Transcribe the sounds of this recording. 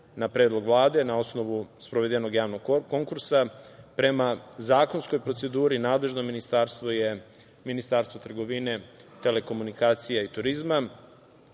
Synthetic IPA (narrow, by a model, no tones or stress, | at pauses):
napɾeːd̪lˠo̞ɡʋlˠaːd̪e̞nao̞sno̞ʋuspɾoʋe̞d̪eno̞ɡjaːʋno̞ɡko̞ŋkuɾsapɾe̞mazaːko̞nsko̞jpɾo̞t̪se̞d̪uːɾinaːd̪le̞ʒnominist̪aɾst̪ʋoje | minist̪aːɾst̪vot̪r̩ɡo̞ʋine̞t̪e̞le̞ko̞munikaːt̪sijait̪uɾizma